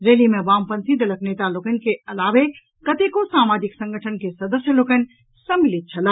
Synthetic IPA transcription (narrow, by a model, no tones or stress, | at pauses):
ɾeːlimẽbaːmpənsid̪ələkneːt̪aloːkən̆keɐlaːʋe | kət̪ekosaːmaːd͡ʒiksə̃ŋɡəʈʰənkesɐd̪əsjəloːkən | səmilit̪̚t͡ʃʰɐlaː